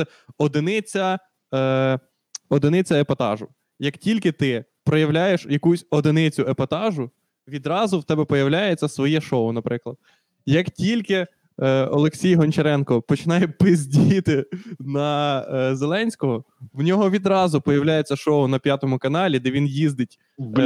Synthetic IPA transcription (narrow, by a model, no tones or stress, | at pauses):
ɛ | ɔd̪ɪnɪt͡sʲɐ | ɔd̪ɪnɪt͡sʲɐepɐt̪ɑ̰ʒʊ | jɐktʲilʲkɪt̪ɪ | pɾɔjɐwlʲajeʃjɐkusʲɔd̪ɪnɪt͡sʲʊepɐt̪ɑʒʊ | ʋʲid̪ɾɑzʊwt̪ɛbɛpɔjɐwlʲajet͡sʲːɐsʋɔjɛʃɔʊnɐpɾɪklˠɐd̪̥̚ | jɐktʲilʲkɪ | ɔlˠeksʲijɦɔnʲt͡ʃeɾɛnkɔpɔt͡ʃɪnɑjɛpɪzʲdʲijit̪ɪnɐzelˠɛnʲsʲkɔɦɔ | wnʲɔɦɔʋʲid̪ɾɑzʊpɔjɐwlʲajet͡sʲːɐʃɔʊnɐpʲjat̪ɔmʊkɐnɑlʲid̪ɛʋʲinjizd̪ɪtʲ